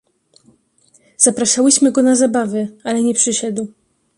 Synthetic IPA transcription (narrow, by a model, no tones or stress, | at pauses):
z̥apɾaʂawɘɕmɘɡɔnazabavɘalɛɲɛpʂɘɕɛd̪w